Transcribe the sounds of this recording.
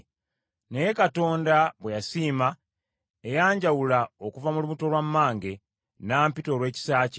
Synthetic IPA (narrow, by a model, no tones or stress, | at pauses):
ne̞jekato̞ːndaβwe̞jasiːma | ejaːɲɟawulaokuvamulumuto̞lwamːaːŋɡe̞ | naːmpito̞lwe̞ːci̥saːce